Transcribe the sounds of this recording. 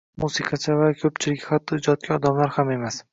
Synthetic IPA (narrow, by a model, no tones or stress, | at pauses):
musɪqʰɑt͡ʃʰavakʲʰɵp̚t͡ʃʰɪlɪkʲhat̪ʰːɒɪd͡ʒɒt̪̚kʲʰaɒd̪amlaɾhame̞mas